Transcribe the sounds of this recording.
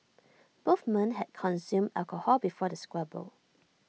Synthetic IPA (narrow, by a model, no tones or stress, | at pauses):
b̥oθmɛ̃nɦɛd̚kʰɔ̃nsjũmdalkəhɔbifɔdəskɹɛbo̰l